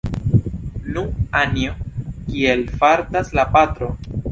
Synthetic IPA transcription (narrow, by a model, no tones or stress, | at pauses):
nuanjokie̞lfaɾtaslapat̪ɾo̞